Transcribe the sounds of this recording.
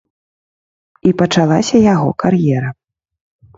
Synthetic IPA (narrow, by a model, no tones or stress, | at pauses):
ipɐt͡ʂalˠasʲɐjaɣɔkarjɛɾɐ